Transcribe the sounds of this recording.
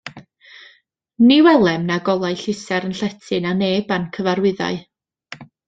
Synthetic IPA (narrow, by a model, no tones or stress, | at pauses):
niwɛlˠɛmnaɡɔlˠajɬɪsɛɾənɬɛtʰɨnaneːbankʰəvaɾwɪða̰ɨ